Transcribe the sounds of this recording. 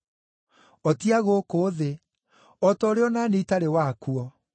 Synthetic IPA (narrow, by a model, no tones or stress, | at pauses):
ɔtiaɣokoːðe | ɔtɔɾeɔnaneitaɾewakuɔ